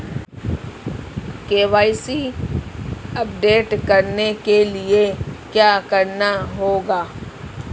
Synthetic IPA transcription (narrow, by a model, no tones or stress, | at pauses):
keːʋaːisi | ɐp̚ɖeːʈkɐɾnekeliekjaːkɐɾnaɦoːɡaː